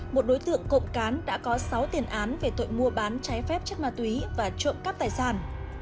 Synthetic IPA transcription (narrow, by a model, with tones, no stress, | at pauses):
mo˨˩t̚ɗo˨˦jt̪ɨ̰˧˨əŋko̰˧˨ŋ͡mkaː˨˦nɗa̰ː˧˥kɔ˨˦sa˨˦wt̪i˨˩ənʔaː˨˦nve˨˩t̪o̰˧˨jmu˧əɓaː˨˦nt͡ɕa˨˦jfɛ˦˥p̚t͡ɕə˦˥k̚maː˧t̪wi˨˦vaː˨˩t͡ɕwə̰˧˨mkaː˦˥p̚t̪aː˨˩jsaː˧˩n